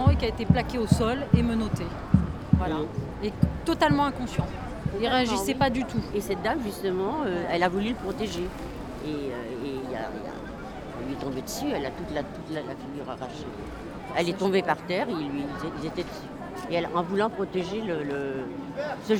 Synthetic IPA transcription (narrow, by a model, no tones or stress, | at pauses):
ɑ̃ekʲiaet̪eplakʲeosɔlemənot̪e | vwala | et̪ɔt̪almɑ̃ɛ̃kɔ̃sjɑ̃ | iʁeaʒisɛpad̪yt̪ʰuesɛt̪̚d̪amʒyst̪əmɑ̃øɛlavulyləpχɔt̪eʒe | eø | eila̰ḭla̰ | ɛ̰̃lɥiɛt̪ɔ̃bed̪əsyɛlat̪ut̪lat̪ut̪lalafiɡʲyʁaʁaʃənḛ | ɛlɛt̪ɔ̃bepaʁt̪ɛʁelɥizeilzet̪ɛd̪əsy | eɛlɑ̃vulɑ̃pχɔt̪eʒelələ | sə